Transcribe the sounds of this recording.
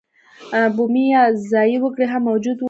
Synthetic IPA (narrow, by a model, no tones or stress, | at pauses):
bumijazɑjiwəkɽeɦamːawd͡ʒud̪